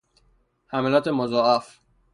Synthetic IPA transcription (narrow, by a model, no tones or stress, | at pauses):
hæmælɒːt̪ʰemozɔːæf